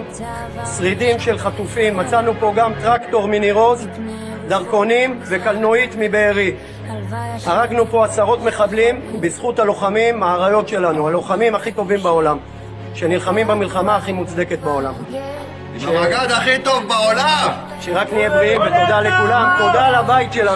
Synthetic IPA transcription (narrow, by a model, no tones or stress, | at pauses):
sʁid̪imʃe̞lχat̪ufimːat͡sanupo̞ɡamt̪ʁakt̪o̞ʁminiʁo̞z | d̪aʁko̞nimve̞kalnoit̪mibeːʁi | haʁaɡnupo̞asaʁo̞t̪me̞χablimbizχutalo̞χamimːaːʁajo̞tʃe̞lanualo̞χamimaχit̪o̞vimbao̞lam | ʃe̞nilχamimbamilχamaːχimut͡sd̪e̞ket̪̚bao̞lam | ʃeaɡad̪aχit̪ovbaola | ʃeʁaknijebʁiimvet̪od̪ale̞kulamt̪od̪aːlabaitʃela